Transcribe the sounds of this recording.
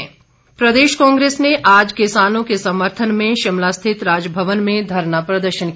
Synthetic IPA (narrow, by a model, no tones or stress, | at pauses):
pɾɐd̪eːʃkɔ̃ːŋɡɾeːsneʔaːd͡ʒkɪsaːnõkesɐməɾt̪ʰənmẽʃɪmlaːst̪ʰɪt̪ɾaːd͡ʒbʱəʋənmẽd̪ʱɐɾnapɾɐd̪əɾʃənk